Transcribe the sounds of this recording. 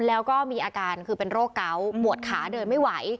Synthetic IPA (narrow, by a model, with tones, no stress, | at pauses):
lɛː˦˥wkɔː˥˩miː˧ʔaː˧kaː˧nkʰɯː˧pe˧nɾoː˥˩kkːa˦˥wmu˨˩ət̪̚kʰaː˩˦dɤː˧jma˥˩jwa˩˦j